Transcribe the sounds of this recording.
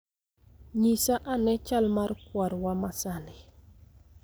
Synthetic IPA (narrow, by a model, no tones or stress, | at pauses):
ɲisaʔanɛt͡ʃalmarkwaɾwamasalɪ